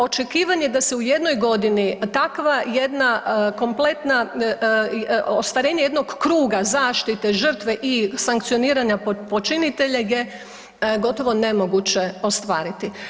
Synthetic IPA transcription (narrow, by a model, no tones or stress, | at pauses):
o̞t͡ʃe̞kiːʋaɲe̞d̪aseuje̞d̪no̞jɡo̞d̪init̪akʋaje̞d̪nako̞mple̞t̪na | ost̪ʋaɾe̞ːɲeje̞d̪noɡkɾuːɡazaːʃt̪it̪e̞ʒər̩t̪ʋe̞ʔisaŋkt̪sijo̞niːɾaɲapo̞t͡ʃinit̪e̞ʎeje̞ | ɡo̞t̪o̞ʋo̞ne̞mo̞ɡut͡ɕe̞o̞st̪ʋaːɾit̪i